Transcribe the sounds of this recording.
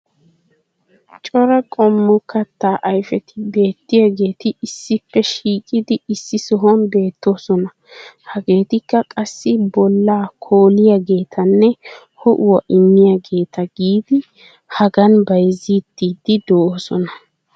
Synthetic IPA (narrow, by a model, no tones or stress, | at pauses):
t͡ʃʼɔɾɐkʼɔmːɔkɐt̪ːaːʔɐjfɛt̪ɪbe̞ːt̪ːɪjaɡe̞ːt̪ɪːsːɪpːɛʃiːkʼɪd̪ɪɪsːɪsɔɦɔnbe̞ːt̪ːo̞ːsɔnɐ | hɐɡe̞ːt̪ɪkːɐkʼɐsːɪbɔlːaːkʰoːlɪjɐɡe̞ːt̪ʰɐnːɛ | hɔʔʊwɐʔɪmːɪjɐɡe̞ːt̪ɐɡiːd̪ɪ | hɐɡɐnbɐjziːt̪ːiːd̪ɪd̪oʔoːsɔnɐ